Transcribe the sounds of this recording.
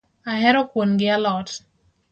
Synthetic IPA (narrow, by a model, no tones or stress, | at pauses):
aɦɛɾɔkwonɡɪalɔt